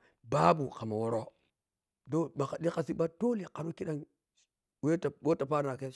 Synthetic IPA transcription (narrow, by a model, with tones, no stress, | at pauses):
ba˦bu˨ka˨ma˨wo˨ɾo˦ | do˦ɓa˨ka˨ɗi˦ka˦˨si˦ba˦to˦li˨ka˨ɾo˦ki˦ɗa˦ŋ | we˦ta˨bo˦ta˨pa˦ɾna˨ke˦